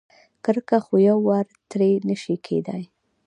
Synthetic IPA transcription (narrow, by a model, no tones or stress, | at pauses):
kəɾkaxojawːaɾt̪ɾenəʃikʰḛd̪aj